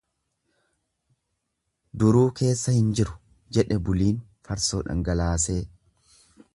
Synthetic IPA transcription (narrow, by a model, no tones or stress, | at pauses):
d̪ʊɾuːke̞ːsːɐhɪnd͡ʒɪɾʊ̥ | d͡ʒɛᶑɛbʊliːn | fɐɾsoːᶑɐ̰ŋɡɐlaːse̞ː